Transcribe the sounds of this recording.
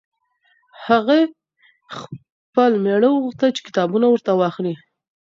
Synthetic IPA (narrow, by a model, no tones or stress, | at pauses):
haɣe | x | pəlmeɽəwəɣuxt̪əlt͡ʃe̥kɪ̥t̪ɑbunawəɾt̪awɑxli